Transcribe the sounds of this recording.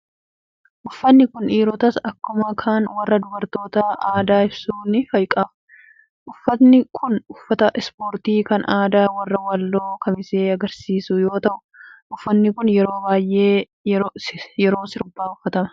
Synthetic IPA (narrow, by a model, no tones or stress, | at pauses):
ʔʊfːɐnːɪkʊniːɾɔt̪ɐsɐkːʊmɐkʰaːnwɐrːɐd̪ʊbɐɾt̪o̞ːt̪ɐaːd̪aːɪbsuːnɪfɐjkʼɐf | ʔʊfːɐt̪nɪkʰʊnʊfːɐt̪ɐʔɛspoːɾt̪iːkɐnʔaːd̪aːwɐrːɐwɐlːo̞ːkɐmɪseːɐɡɐɾsiːsʊjo̞ːt̪ɐʔʊ̥ | ʔʊfːɐnːɪkʊnjɛɾo̞ːbaːjʔeː | jɛɾo̞ːsɪɾʊbːaːʊfːɐt̪ɐmɐ̥